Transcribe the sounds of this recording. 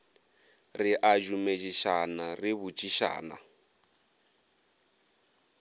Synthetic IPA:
riʔad͡ʒumet͡ʃiʃanariβut͡ʃʼiʃa̰ːna̰

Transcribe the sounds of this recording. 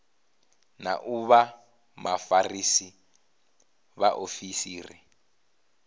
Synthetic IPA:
na̰ʔuβa | mafarisi | βaʔofisiːrḭ

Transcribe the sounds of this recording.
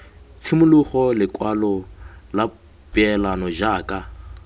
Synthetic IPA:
t͡sʰimʊluχɔlɪkʼwalɔla | pʼɪɛlanɔʒaːkʼa

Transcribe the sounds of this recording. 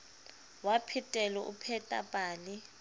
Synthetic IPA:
wapʰitʼɛlɔʔṵpʰɛtʼapʼaːlɪ

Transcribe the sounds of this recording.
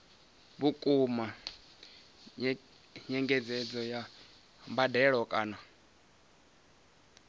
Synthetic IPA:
βukʼuma | ɲɛŋɡɛd͡zɛd͡zɔja | mbadɛɺɔkʼaːna

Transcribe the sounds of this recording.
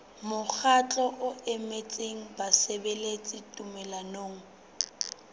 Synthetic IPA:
mʊk͡xʰat͡ɬʼɔʔʊɛmet͡sʼeŋ̩basebelet͡sʼɪtʼumɛlanoːŋ̩

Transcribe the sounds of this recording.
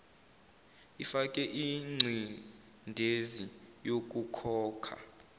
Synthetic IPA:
ifak̬ʼɛʔiŋ͡ǀʱi | ndʱezi | jok̬ʼukʰɔːkʰa̰

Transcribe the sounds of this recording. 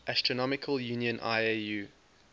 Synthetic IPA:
ʔastɹ̥ənɔmɪkʰəljʉːnjə̃nʔa̰ɪjʉː

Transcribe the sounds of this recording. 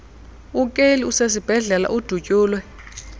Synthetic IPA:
ukʼeliusesib̥ʱɛɮɛla̰ʔud̥ʱucʼuːlwɛ

